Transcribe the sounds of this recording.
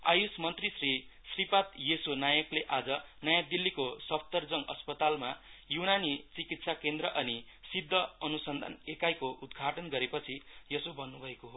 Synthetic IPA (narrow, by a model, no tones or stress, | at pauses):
ajusmʌnt̪risrisripat̪jesonajʌkleʔad͡zʌnʌjad̪ilːikosʌpʰt̪ʌrd͡zʌŋʌ̰spʌt̪almajunanit͡sikit̪sakend̪ɾʌʔʌni | sid̪ʱːʌʌnusʌnd̪ʱa̰nekajkoʔud̪̚ɡʱaʈʌnɡʌɾepʌt͡sʰijʌsobʱʌnːubʱʌekoɦo